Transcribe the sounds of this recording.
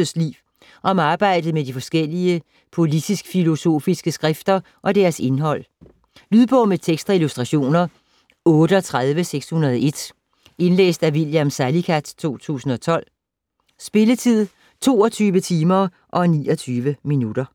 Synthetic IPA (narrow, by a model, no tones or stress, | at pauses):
əslḭː | ʔɒ̽mɑ̈ːb̥ɑ̈ɪ̰d̥ð̞̩ˠmedifɒ̽sɡ̥el̰iə | pʰo̝lid̥isɡ̥filo̝so̝̰ːfisɡ̥əsɡ̥ʁɛfd̥ɐ | ʔɒ̽d̥æɐse̝nɦɒ̽l̰ | lyðˠb̥ɔ̽ʊmet͡sʰeɡ̥sd̥ʁɑilusd̥ʁɑɕo̝̰ːnɐ | ɔ̽ːɾ̥əɒ̽t͡sʰʁaðˠʋəseɡ̥shunɐðˠe̝d̥ | e̝nlḛːsd̥æʋiljæmsælikʰæd̥t͡sʰo̝̰ːt͡sʰṵːsn̩ɒ̽t͡sʰɒ̽l̰ | sb̥e̝lət͡sʰið̰ˠ | t͡sʰo̝̰ːɒt͡sʰyːʋət͡sʰiːmɐ | ʔɒ̽nḭːɒt͡sʰyːʋəminud̥ɐ